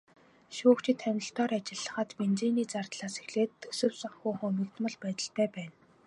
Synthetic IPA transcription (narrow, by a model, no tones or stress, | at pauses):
ʃuːkt͡ɕʰɪ̆t̪ʰːænʲɪ̆ɬt̪ɔːɾat͡ɕɪ̆ɮːə̆χə̆ːt̪pent͡ɕeːniːt͡sart̪ɮaːsexɮeːt̪ʰːɵsɵ̆wsɔŋxuːχɵmĭkt̪mə̆ɮpæːt̪ə̆ɬt̪ʰæːpæːn